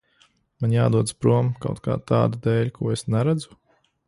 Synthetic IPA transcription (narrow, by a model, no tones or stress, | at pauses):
manʲjaːd̪uɔd̪spɾuɔmka̰wt̪ka̰ːt̪aːd̪ud̪ɛːlʲkʰuɔesnaɾæd̪zu̥